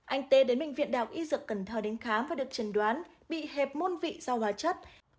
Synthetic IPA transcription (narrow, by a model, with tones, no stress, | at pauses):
ʔa˧jŋ̟t̪e˨˦ɗe˨˦nmɓï˧˨ŋ̟vḭ˧˨ənɗa̰ː˨˩wk̚ʔi˧zɨ˨˩kːə˧˩nt̪ʰəː˧˩ɗe˨˦nxaː˨˦mvaː˨˩ɗɨ˨˩ək̚t͡ɕə˨˧˩nɗwaː˨˦n | ɓḭ˧˨he˨˩p̚mo˧nvḭ˧˨z̥a˧whaː˨˧˦t͡ɕə˦˥t̚